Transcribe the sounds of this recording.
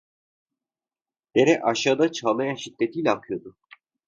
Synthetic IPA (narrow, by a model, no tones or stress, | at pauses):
d̪̥eɾɛʔaʃaːd̪at͡ʃʰalˠmajaʃid̪ːet̪ʰiːlʲɛːkʰɯjo̞d̪ʊ